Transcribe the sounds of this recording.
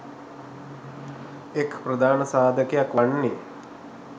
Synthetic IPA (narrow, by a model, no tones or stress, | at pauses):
ekpɾɐd̪ʱaːnəsaːd̪ʱəkejakʋaɳːe